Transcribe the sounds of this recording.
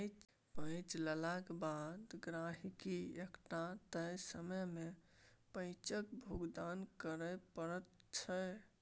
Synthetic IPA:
t͡ʃ | pə̃ɪt͡ʃləlakebad̪ɡɾaɦikiekʈat̪əjsəməjmepə̃ɪ̃t͡ʃəkbʱuɡd̪ankəɾəpəɾət̪t͡ʃʰə

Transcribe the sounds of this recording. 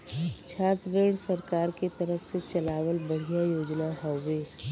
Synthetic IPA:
t͡ʃʰaːt̪ɾeːɽsɐɾkaːɾket̪ɐɾəfʰset͡ʃɐlaːʋəlbɐɽ̤ijajoːd͡ʒnaɦɔʋeː

